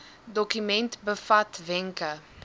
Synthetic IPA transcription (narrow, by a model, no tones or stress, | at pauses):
d̪okymẽnt̪bəfat̪vɛ̃ŋkɐ